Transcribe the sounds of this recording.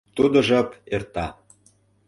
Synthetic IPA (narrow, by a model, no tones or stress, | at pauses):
t̪ud̪ɤ̆ʒəpert̪ɑ